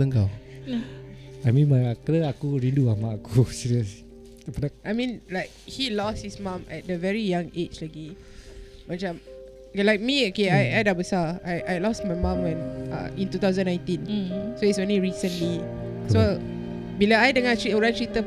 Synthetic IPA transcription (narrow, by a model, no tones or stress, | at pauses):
əŋɡaw | ajmĩnmajakɾəakuɹĩnduamaakusiɹiəs | pənaʔajmĩnlaɪk̚hilɔshismãmɛ̰t̚dəvɛɹijãŋet͡ʃlaɡi | mat͡ʃãm | lajk̚miokeajajdabəsaajʔajlɔsmajmãmwɛ̃na̰ĩntut̪awzə̃nːãj̃ntĩnsoitsõnliɹisə̃nli | so | bilaajdəŋatɹioɹãntɹit̪ə